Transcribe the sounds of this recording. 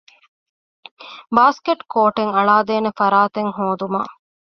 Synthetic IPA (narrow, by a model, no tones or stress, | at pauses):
baːskeʈkoːʈeŋɐɭaːd̪eːnefɐɾaːt̪eŋɦoːd̪uma̰ː